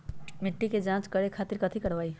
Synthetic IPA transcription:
mɪʈːiked͡ʒãt͡ʃkəɾekʰat̪iɾkət̪ʰikəɽʋaːi

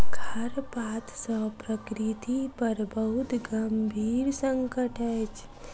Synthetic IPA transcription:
ɡʱəɾpat̪səpɾəkɾit̪ipəɾbəɦut̪ɡəmbʱiːɾsə̃ŋkəʈəjt͡ʃ

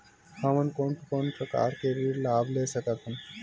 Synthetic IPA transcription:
həmənkonpʰkonpɾəka̰ːɾkebʱiɾlaːbleːsəkət̪ʰɦən

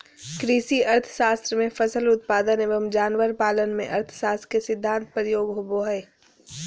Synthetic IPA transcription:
kɾisiɐɾt̪ʰə̥ʃaːst̪ɾəmẽfəsəlʊt̪̚paːd̪əneːʋəmd͡ʒaːnʋəɾpaːlənmḛ̃ʔɐɾt̪ʰʃaːst̪ɾəkesɪd̪ʱːãːnt̪̚pɾəjoːɡɦoboɦɛː

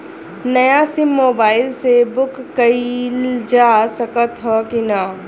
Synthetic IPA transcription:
nɐjasɪmːoːbaːɪlsebʊkːɐild͡ʒaːsəkət̪ɦɔkinaː

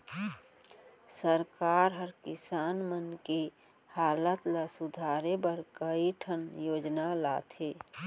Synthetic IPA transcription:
səɾkaːɾɦəɾkɪsaːnmənke | haːlət̪lasud̪ʱaɾebəɾkəiʈʰənjoːd͡ʒnala̰ːt̪ʰe

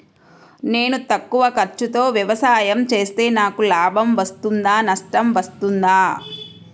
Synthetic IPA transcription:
ne̞ːnut̪ɐkːuʋɐkɐɾt͡ʃut̪o̞ːʋjɐʋɐsaːjɐmt͡ʃe̞ːst̪e̞ːnaːkulaːbʱɐmʋɐst̪und̪aːnɐsʈɐmʋɐst̪und̪aː

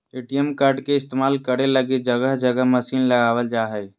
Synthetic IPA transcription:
eʈijəmkaɾɖkeɪst̪emaːlkəɾeləɡid͡ʒəɡəɦd͡ʒəɡəɦməsiːnləɡaʋəld͡ʒaɦəj

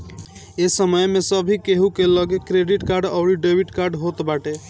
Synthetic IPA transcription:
esəməjmesəbʱikeɦukeləɡekɾeɖiʈkaɾɖɔʊɾiɖebʱiʈkaɾɖɦot̪baʈe

